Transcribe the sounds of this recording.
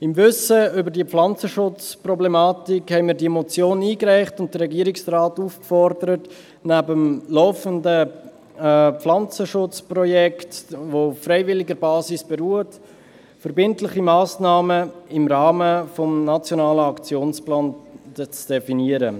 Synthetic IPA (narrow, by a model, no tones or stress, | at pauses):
ɪmvʏsəʏbəɾdiəpflɑnt͡səʃʊt͡sprɔblɛmɑːtikhɛɪmɪːɾdiɛmɔt͡sjoːniːkræɪχtʊnt̚d̥ərɛɡiəɾɪksraːtuːfkfɔrdəɾət | næbəmlɔʊfəndə | pflɑnt͡səʃʊt͡sprɔjɛktʋoʊfːɾɛɪvɪlɪɡəɾbɑːsɪsb̥ɛɾuːət | fəɾbɪntlɪχimɑːsnɑːməɪmɾɑːməfɔmnɑt͡sjonɑːləɑkt͡sjoːnsplɑːnt͡sd̥ɛfiniəɾə